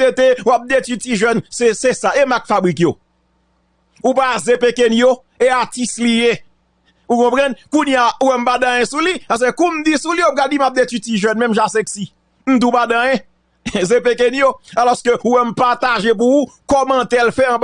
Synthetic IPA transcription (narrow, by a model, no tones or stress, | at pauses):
et̪ewap̚d̪etytiʒɛnsesesaemakfabikjo | upazepekɛnjo | eatislije | ukɔ̃pʁɐ̃nkũnjauwɛm̩padãjɛ̃sulipas̬ekkũm̩disuliop̚kadimap̚d̪etytiʒœnmɛ̃mʒasɛksi | m̩d̪ũpadãjɛ̃ | zepekɛnjoalɔskøuwɛm̩pat̪aʒep̬uukɔmãt̪ɛlfɛãb